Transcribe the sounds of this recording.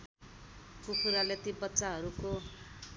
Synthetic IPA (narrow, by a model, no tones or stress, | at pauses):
kupʰuɾalet̪ibʌtːsaɦʌɾuko